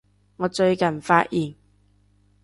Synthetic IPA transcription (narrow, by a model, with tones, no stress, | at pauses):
ŋɔː˨˧t͡ʃɵ˧ɥkɐ˨˩nfaː˧˥ʔ̚jʔiː˨˩n